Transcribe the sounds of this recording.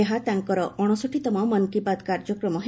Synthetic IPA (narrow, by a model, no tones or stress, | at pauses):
eɦat̪aŋkɔɾɔʔɔɽ̃ɔsoʈʰit̪ɔmɔmɔnkipad̪kaɾd͡ʒɔkɾɔmɔɦ